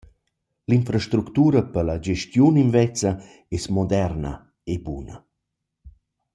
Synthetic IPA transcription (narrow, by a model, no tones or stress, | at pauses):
linfɾaʃt̪ɾukt̪uːɾəpəlad͡ʒeʃtjuninvɛt͡sɐ | ɛsmɔd̪ɛɾnə̰ | ebunə̰